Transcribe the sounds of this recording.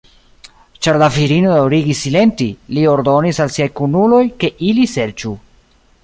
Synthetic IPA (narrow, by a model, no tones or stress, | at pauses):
t͡ʃaɾlafiɾino̞dawɾiɡisːile̞ntilio̞ɾdo̞nisalsiajkunulo̞jke̞ʔilise̞ɾt͡ʃu